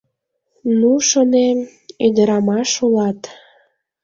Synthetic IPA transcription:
nuʃonem | ed̪əɾɑmɑʃulɑt̪

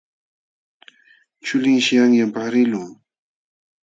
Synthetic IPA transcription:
t͡ʃʊlɪŋʃɪjaŋjampaɾɪlʊŋ

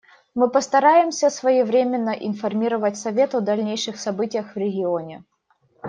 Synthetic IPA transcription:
mɨpəst̪ɐɾajɪmsʲəsvəjivɾʲemʲɪnːəʔɪnfɐrmʲiɾəvətʲsɐvʲe̞t̪ɐd̪ɐlʲnʲejʂɨxsɐbɨtʲɪjəxvɾʲɪɡʲɪonʲɪ

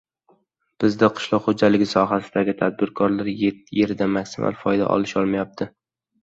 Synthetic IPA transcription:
b̥ɪzd̪aqʰɨ̥ʃlˠɒqχod͡ʒalɪɡʲɪsɒɦasɪd̪aɡʲɪt̪ʰad̪̚bɪɾkʰɒɾlaɾjet̪ːje̞ɾd̪amakʲsɪmʔa̰lˠfɒjd̪a̰ʔɒ̰lˠɪʃɒlˠmajap̚t̪ʰɪ

